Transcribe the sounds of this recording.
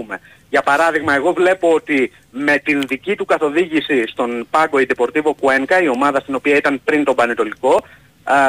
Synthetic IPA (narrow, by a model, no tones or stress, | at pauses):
me | ʝɐpɐɾɐðiɣmɐe̞ɣo̞vle̞po̞ot̪i | me̞t̪inðicit̪ukɐθo̞ðiʝisist̪o̞npɐɡo̞id̪epo̞ɾt̪ivo̞kue̞ŋkɐio̞mɐðɐst̪ino̞piɐit̪ɐnpɾint̪o̞bɐnet̪o̞liko̞